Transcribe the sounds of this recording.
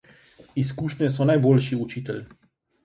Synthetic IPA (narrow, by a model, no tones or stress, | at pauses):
iskuːʃnʲɛsɔnajboːlʃiut͡ʃiːt̪ɛl